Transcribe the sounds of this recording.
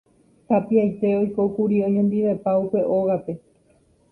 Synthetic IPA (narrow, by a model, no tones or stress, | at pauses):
t̪apiajt̪e̞o̞jko̞kuɾiohẽnd̪iʋe̞paupe̞ʔoɣape̞